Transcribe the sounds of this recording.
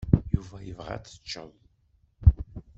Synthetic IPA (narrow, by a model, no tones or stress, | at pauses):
juvæjəvʁæ̰t͡sːə̥t͡ʃːəm